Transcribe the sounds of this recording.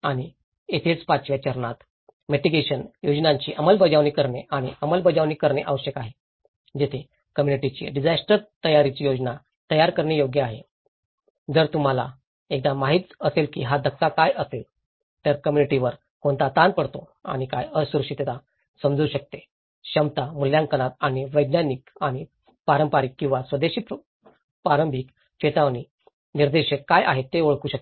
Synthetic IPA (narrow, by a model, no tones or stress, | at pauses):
aɽ̃i | et̪ʰet͡spat͡ɕʋjat͡ɕəɾɳat̪ | meʈiɡeɕənjod͡znãɲt͡ɕiːʔəməlbəd͡ʑaʋniːkəɾɳeaɽ̃ḭəməlbəd͡ʑaʋniːkəɾɳeʔəʋəɕəkaɦe | d͡ʑet̪ʰe | kəmjuniʈit͡ɕḭːɖid͡zasʈəɾt̪əjaɾit͡ɕiːjod͡zna | t̪əjaɾkəɾɳejoɡjəaɦḛ | d͡zəɾt̪um̤ala̰ | ek̚d̪amaɦiːt̪əselkiːɦad̪ʱək̚t̪akajʔəsel | t̪jaɾkəmjuniʈiʋəɾ | koɳt̪at̪anpəɽt̪o | a̰ɽ̃ika̰jəsuɾuʂit̪et̪a | səmd͡zuːɕək̚t̪e | ɕəmt̪amuljãŋkəɽ̃at̪̚aɽ̃iʋəjd̪nanikaɽ̃i | paɾəmpaɾiːkːĩw̃ʋasʋəd̪eɕiːp | paɾəmbʱik | ɕet̪aʋni | niɾd̪eɕəkkːajʔa̰ɦet̪ːeoɭkuːɕək̚t̪e̥